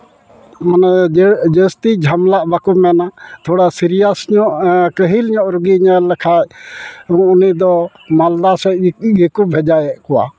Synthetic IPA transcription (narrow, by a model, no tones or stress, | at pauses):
manad͡ʒəst̪id͡ʒʱamlaʔbakumɛnat̪ʰoɽasiɾijasɲɔʔkəɦilɲɔʔɾuɡiɲalːɛkʰajũunid̪ɔ | mald̪asɛɡikubʱɛd͡ʒajɛʔkɔwa̰